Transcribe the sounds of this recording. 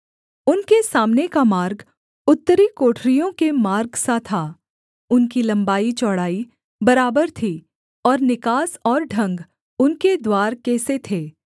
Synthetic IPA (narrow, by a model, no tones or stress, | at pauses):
ʊnkesaːmnekamaːɾɡ | ʊt̪ːəɾikoːʈʰɾijõkemaːɾɡsat̪ʰaː | ʊnkilɐ̃mbaːit͡ʃɔːɽaːi | bɐɾaːbəɾt̪ʰi | ɔːɾnɪkaːsɔːɾɖʱɐ̃ŋɡ | ʊnked̪waːɾkɛːset̪ʰeː